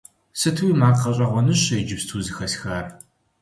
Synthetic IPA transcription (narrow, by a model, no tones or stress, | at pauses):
sɨtʰwiːmaːqɐɕʼɐʁʷɔnɨɕɐjd͡ʒɪpstʰuːzɨxɐsxaːr